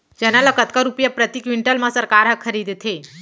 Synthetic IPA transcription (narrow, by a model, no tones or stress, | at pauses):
d͡ʒɛnaləkət̪kəɾupjapɾət̪ikʋiɳʈəlmãsəɾkaɾɦəkʰːəɾid̪t̪ʰe